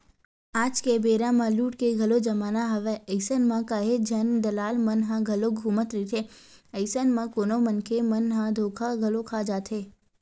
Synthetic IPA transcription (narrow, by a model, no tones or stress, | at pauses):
aːd͡ʒkebeːɾãmãluːʈkeɡʱɐlod͡ʒɐmaːnaɦɐʋeəɪsənmãkaːɦed͡ʒʱɐnd̪ɐlaːlmənɦãɡʱɐloɡʱuːmət̪ɾit̪ʰeː | əɪsənmãkoːnomənkʰemənɦãd̪ʱoːkʰaɡʱɐlokʰaːd͡ʒaːt̪ʰeː